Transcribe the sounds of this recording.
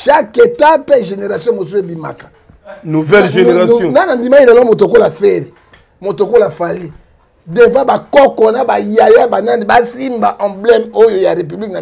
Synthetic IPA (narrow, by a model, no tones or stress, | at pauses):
ʃaketapɛʒeneʁasjɔ̃mosuebima̰kḁ | nuvɛlʒeeʁnanandimailalɔmot̬okolafeʁi | motokolafali | devabakɔkɔnabajajabanandebasimbaʔãblɛmojojaʁep̬yblikna